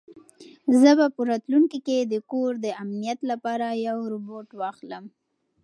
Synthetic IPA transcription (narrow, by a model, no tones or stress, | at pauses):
zəbapəɾɑt̪luŋkiked̪əkoɾd̪əamnijat̪lapɑɾajawɾʊboʈwɑxləm